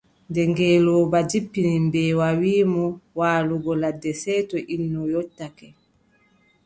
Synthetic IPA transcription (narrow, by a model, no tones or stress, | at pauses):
ndɛŋɡɛːlɔːbad͡ʒipːinimbɛːwawiːmɔwaːluɡɔladːɛsɛːtɔʔinːɔjɔtːakɛ